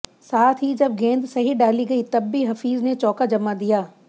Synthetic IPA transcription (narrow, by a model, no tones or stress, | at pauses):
saːt̪ʰɦid͡ʒɐb̚ɡẽːnd̪sɐɦiɖaːliɡɐit̪ɐbːiɦɐfiːznet͡ʃɔːkad͡ʒɐmad̪ijaː